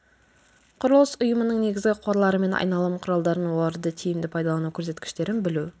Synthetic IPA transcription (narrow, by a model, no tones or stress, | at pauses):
qʰʊɾəlˠəsʊjəmənəɴne̞ɡʲɪzɡʲɪqʰwoɾlˠɑɾəme̞nʔɑ̰jnɑlˠəmqʰʊɾɑlˠd̪ɑɾənwolˠɑɾəd̪ət̪ʰijɪmd̪ɪpʰɑjd̪ɑlˠɑnukʲʰɵɾs̬e̞t̪kʲɪ̥ʃt̪e̞ɾɪnbɪlu